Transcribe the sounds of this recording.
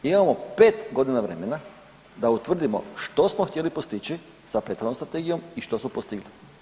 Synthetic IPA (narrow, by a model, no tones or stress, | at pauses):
imamo̞pe̞ːt̪ɡo̞d̪inaʋɾe̞me̞na | d̪aut̪ʋr̩d̪imo̰ʃt̪o̞smoxt̪ʲje̞lipost̪it͡ɕi | sapɾet̪xoomst̪ɾat̪eɡijo̞miʃt̪osmopost̪iɡli